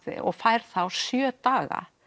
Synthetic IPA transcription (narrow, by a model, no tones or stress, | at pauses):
ɪ̰ʔɔɣfajɾ̥θawsjœːt̪aːɣa̰